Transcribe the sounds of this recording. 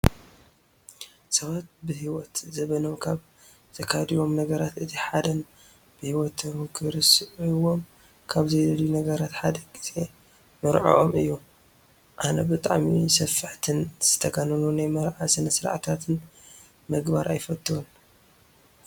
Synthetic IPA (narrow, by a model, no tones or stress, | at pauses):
sɐβat̪̚bɨhiwɔt̪zɐβɐnomkʰaβ | zʰɐkʰad̪ijo̞mnɐɡɐɾat̪ɨt̪ʰiħad̪ɐn | b̥ɨhiwɔt̪mkʰɨɾɨsʔuwom | kʰaβzɐjd̪ɐljunɐɡɐɾat̪ħad̪ɐkʼisʼe | mɨɾʕo̰ʔomɨjːu | ʔanɐbɨt̪ʼa̰ʕmisɐfːɨħt̪ʰɨnz̥ɨt̪ʰɐɡanɨnunajmɐɾʕasɨnɐsɨɾa̰ʕt̪ʰat̪ʰɨn | mɨɡba̰ɾʔajfɐt̪ʼːɨun